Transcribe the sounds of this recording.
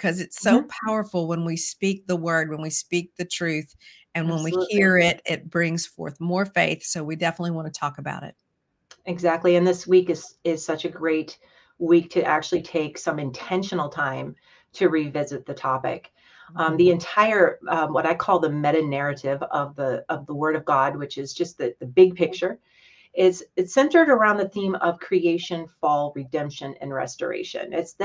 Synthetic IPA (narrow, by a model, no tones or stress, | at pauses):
kʰʌzɨtsoʊpʰaʊə˞fl̩ˠwə̃nwispik̚ðəwɜ˞d̚wə̃nwispik̚ðɨtʰɹ̥ʉθ | ɨ̃nwə̃nwihiɹɪɾɪt̚b̥ɹɪ̃ŋz̥fɔ̰ɹθmɔɹfeɪθsoʊwidɛfənətˡliwɑ̃nɨtʰɔkəba̰ʊɾɪ̰t̚ | ɨɡzæk̚tˡliɨ̃nðɪswikɨz̥ɪz̥sʌt͡ʃɨɡɹeɪt̚ | wik̚tʰɨʔæ̰k̚t͡ʃʉl̩ˠitʰeɪksʌ̃mɨ̃ntʰɛ̃nʃɨn̩l̩ˠtʰãɪ̃m | tʰɨɹivɪzɨt̪̚ðɨtʰɑpɪ̰k | ðiɨ̃ntʰaɪə˞wʌɾaɪkʰɔlˠðɨmɛɾɨnɛɹɨɾɪvʌvðɨʌvðəwɜ˞ɾʌvɡɑd̚wɨt͡ʃɨzd͡ʒʌst̪̚ðɨðɨbɪɡ̚pʰɪk̚t͡ʃə˞ | ɪtsɨtsɛ̃ntə˞ɾə˞ãʊ̃nðɨθĩmʌv̥kʰɹ̥ieɪʃɨ̃nfɔlˠɹɨdɛ̃mpʃɨ̃nɨ̰̃nɹɛ̰stə̰˞ḛɪʃɨ̰̃nɪts